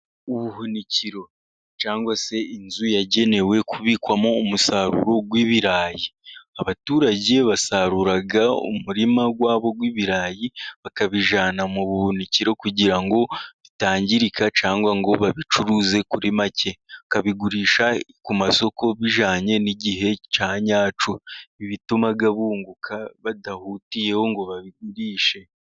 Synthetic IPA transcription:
uβuhuniciɾo̞ | t͡ʃaːŋɡwase̞inzujaɟe̞ne̞we̞kuβiːkwamo̞ːmusaːɾṵɾo̞ɡwiːβiɾaːjiaβatuːɾaɟe̞βasaɾuɾaɡaṵmuɾimaɡwaːβo̞ɡwiːβiɾaːjiβakaβiʒaːnamuβuhuniciɾo̞kuɟiɾaŋɡo̞βitaːɲɟiɾikat͡ʃaːŋɡwaŋɡo̞βaβit͡ʃuɾuze̞kuɾimacʰe̞kaβiɡuɾiːʃakumaso̞ko̞βiʒaːɲe̞niɟiɦe̞t͡ʃaːɲaːt͡ʃoiβitumaɡaβuːŋɡukʰaβadahutije̞ho̞ŋɡo̞βaβiɡ̚uɾiːʃe̞

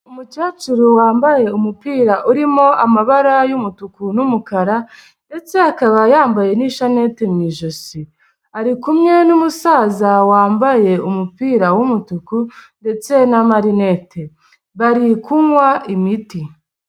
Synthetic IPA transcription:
umut͡ʃaːt͡ʃuɾowaːmbaje̞umupiːɾaʔuɾimo̞ʔamaβaɾajumutukunumukaɾa | nde̞t͡se̞akaβajaːmbaje̞niʃane̞temɲiːʒosi | aɾikumɲe̞numusaːzawaːmbaje̞umupiːɾawumutukunde̞t͡se̞namaɾine̞te̞ | βaɾikuŋwaʔimiti

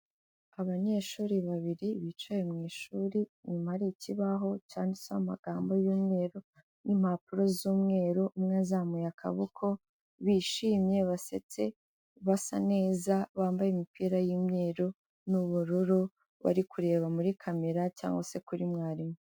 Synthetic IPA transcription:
aβaɲe̞ʃuːɾiβaβiɾiβit͡ʃajemŋiːʃuɾiɲumahɾiciβaɦo̞t͡ʃaːndisaama̰ɡ̥aːmbo̞juːmŋe̞ːɾo̞ | nʔim̥hapuɾo̞zuːmŋe̞ːɾoumŋazamujakʰa̰βukʰo̞ | βiʃiːmje̞βase̞̰t͡se̞ | βasa̰ne̞ːzaβaːmbajemipʰiːɾajimŋe̞ːɾo | nuβuɾuɾu | βa̰ɾikʰuɾe̞ːβamuɾikʰame̞ɾaca̰ːŋɡose̞kuɾimŋaːɾimo

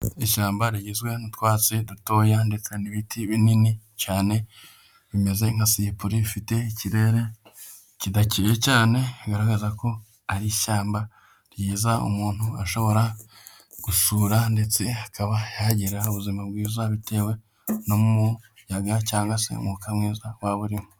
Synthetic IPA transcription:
iʃaːmbaɾijizɡwe̞nitwaːt͡siduto̞ːjande̞t͡seniβitʰiβininicaːne̞ | βime̞ze̞ŋ̥hasijepuɾifite̞iciɾe̞ɾe̞ | cidaciɾecaːne̞ɡaɾaɡazako̞ | aɾiʃaːmba | ɾjiːzaṵmuːn̥huaʃo̞βo̞ɾa | ɡ̥usuːɾande̞t͡seakaβajaɟiɾauβuzimabɡiːzaβite̞ːwe̞ | no̞mumujaɡacaːŋɡasḛmukamŋiːzawaβuɾimu

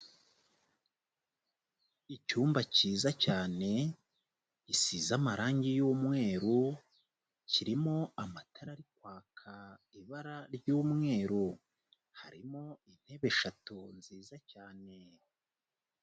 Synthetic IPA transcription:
icuːmbaciːzacaːne̞ | isizamaɾaːɲɟijuːmŋe̞ːɾu | ciɾimo̞amatʰaɾaɾikwaːkʰaiβaɾaɾɟuːmŋe̞ːɾu | haɾimo̞in̥he̞βe̞ʃatunziːzacaːne̞

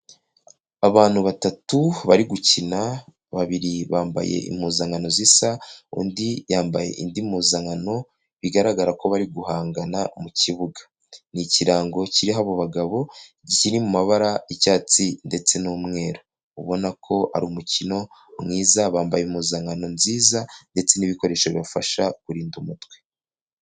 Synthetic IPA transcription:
aβaːn̥huβatatuβaɾiɡucina | βaβiɾiβaːmba̰je̞̰ḭmuːzaŋɡano̞zisaṵndijaːmbaje̞̰ʔindimuːzaŋano̞ | βiɡaɾaɡaɾako̞βaɾiɡuhaːŋɡanamuciβuɡḁ | niciɾaːŋɡo̞ciɾiɦaβo̞βaɡaβo̞ | ɟiciɾimumaβaɾaicaːt͡sinde̞t͡se̞numŋe̞ːɾo | uβo̞nakʰo̞a̰ɾuːmucino̞ | mŋiːzaβaːmbajemuːzaŋano̞mziːzande̞t͡se̞niβiko̞ɾe̞ːʃaβiβafaʃakuɾiːndumutwe̞

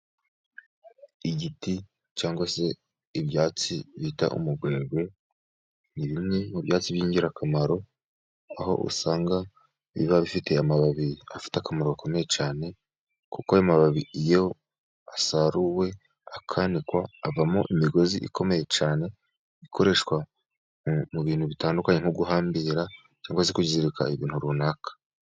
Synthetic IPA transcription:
iɟiti | t͡ʃaːŋɡwase̞ | iβjaːt͡siβita̰ʔṵmuɡɡwe̞ːɡwe̞ | niβimɲemuβjaːt͡siβjiːɲɟiɾakʰamaɾo̞ | aho̞̰ʔṵsaːŋɡa | βḭβaβifitʰe̞amaβaβiafi̥takamaɾo̞ako̞me̞je̞t͡ʃaːne̞ | kukoajomaβaβiijo̞ | asaɾuwe̞ | akʰanikwaːvamuʔimiɡo̞zḭʔḭkʰo̞me̞je̞t͡ʃaːne̞ | ikʰo̞ɾe̞ʃwa | muβiːnhuβitaːndukaɲe̞ŋ̥uɡuɦaːmbiɾa | t͡ʃaːŋɡwazikuɟiziɾikʰa̰iβiːn̥huɾunakḁ

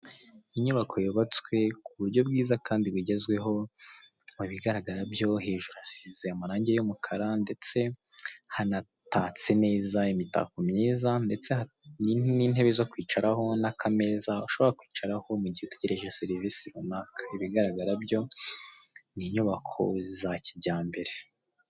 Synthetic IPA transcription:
iɲuβakʰo̞joβat͡swe̞kuβuɾɟo̞bɡiːzakʰaːndiβwiɟezɡwe̞ɦo̞ | muβiɡaɾaɡaɾabjo̞ɦe̞ːʒuɾuasizeamaɾaːɲɟejomukʰaɾande̞t͡se̞ | hana | taːt͡se̞ne̞ːzaimita̰komɲeːzande̞t͡se̞a | nininhe̞βezokwiːt͡ʃaɾaɦo̞nakʰame̞ːzauʃo̞βo̞ɾakwiːt͡ʃaɾaho̞muɟihuteɟe̞ɾe̞ʒeseɾivisiɾunakʰḁiβiɡaɾaɡaɾabjo̞ | niɲuβakʰo̞̰zaciɟaːmbe̞ɾe̞

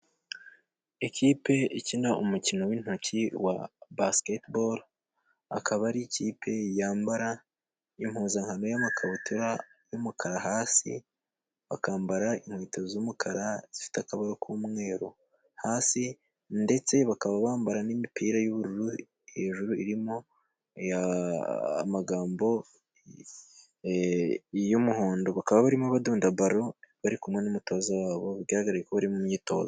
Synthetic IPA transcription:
eciːpe̞icinaʔumucino̞win̥hociwa̰basketboɾ | a̰kaβaɾicipʰe̞jaːmbaɾa | im̥huːnzaŋhano̞jamakʰaβutʰuɾajumukʰaɾaɦaːsḭ | βakaːmbaɾaiŋ̥wiːtozumukʰaɾazifi̥takaβaɾokʰuːmŋe̞ːɾo̞̰ | haːsi | nde̞t͡se̞βakaβaβaːmbaɾanimipiːɾajuβuɾuɾu | eʒuɾuiɾimo̞ | ja̰ː | maɡaːmbo̞ | jumuhoːndo̞βakaβaβaɾimaβaduːndaβaɾo̞βaɾikumŋe̞numuto̞ːzawaːβo̞βiɾɟaɾhaɡaɾaekoβaɾimumɲiːto̞̰ːza

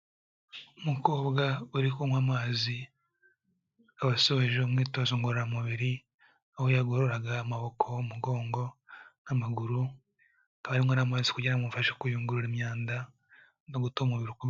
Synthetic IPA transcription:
umuko̞ːbɡauɾikumwamaːzi | aβasoβeʒeumŋiːto̞zoŋɡoɾoɾamuβiɾi | ahojaɡoɾoɾaɡaːmaβo̞kʰo̞umuɡo̞ːŋɡo̞namaɡuɾu | akaβaɾimŋanamaːzikuɟeɾaŋufaʃekujuːŋɡuɾuɾimɲaːnda | noɡutoβumuβiɾokuβ

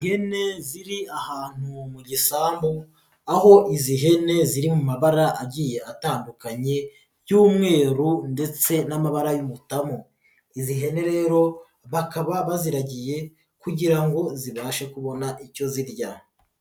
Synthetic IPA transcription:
ŋɡe̞ne̞ziɾiahaːn̥umuɟisaːmbu | aho̞ʔiziɦe̞ne̞ziɾimumaβaɾaʔaɟiːje̞ʔataːndukaɲe̞ | juːmŋe̞ːɾunde̞t͡se̞namaβaɾajumutamo | iziɦe̞ne̞ɾe̞ːɾo̞ | βakaβaβaziɾaɟije̞ | kuɟiɾaŋɡo̞ziβaːʃekuβo̞naʔico̞ziɾɟa

